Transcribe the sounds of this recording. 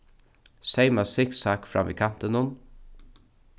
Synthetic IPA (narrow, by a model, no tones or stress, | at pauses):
seɪməsɪksɑːkfɾɑ̰mʔḭːkʰɑmt̪ənʊn